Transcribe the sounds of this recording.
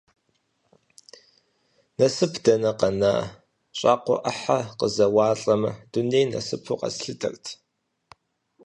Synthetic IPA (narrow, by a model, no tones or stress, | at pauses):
nɐsɨpʰd̥ɐnɐqɐna̰ː | ɕʼɑːqʷʊ̰ʔɐħaqəzɐwɑːɬʼɐmɨd̥ʊnejnɐ̰sɨpʰuːqɐ̰sɬɨtʰɐ̰rtʰ